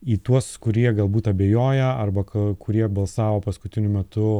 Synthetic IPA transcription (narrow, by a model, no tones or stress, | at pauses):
iːt̪uɔskʊɾʲiɛɡɐlˠbuːt̪ɐbʲeːjoːjɛɐrbɐkɐkʊɾʲiɛbɐlˠsɑːʋoːpɐskʊt̪ʲɪnʲʊmʲɛt̪ʊ